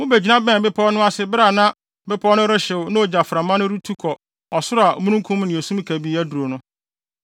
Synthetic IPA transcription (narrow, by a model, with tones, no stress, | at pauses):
mʊ̃˦be˨d͡ʑi˨nã˦bɛ̃˦˨bɪ˦pʰɔ˦nʊ̃˦a˦sɪ˦bɾa˨nã˦ | bɪ˦pʰɔ˦nʊ̃˦ɾɪ˦ɕɪ˨wʊ˨nʊ̃˦o˨d͡ʑa˨fɾã˨mã˦nʊ̃˦ɾu˦tʰu˦kʰɔ˨ | ɔ˨sʊ˦ɾʊ˦a˨mũ˦nũ˦kʰũ˦m˦nɪ̃˨e˨sũ˦m˦kʰæ˨bi˦æ˦du˨ɾo˨nʊ̃˦